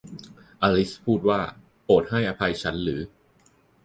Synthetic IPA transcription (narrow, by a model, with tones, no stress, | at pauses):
ʔaː˧li˦˥spʰuː˥˩t̪̚waː˥˩ | poː˨˩t̪̚ha˥˩jʔa˧pʰa˧jt͡ɕʰa˦˥nɾɯː˩˦